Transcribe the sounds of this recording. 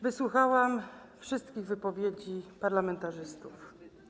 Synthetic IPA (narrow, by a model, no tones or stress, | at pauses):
vɘswuxawam | fʂɘst̪kʲiɣvɘpɔvʲjed͡ʑipaɾlamɛnt̪aʐɘst̪uf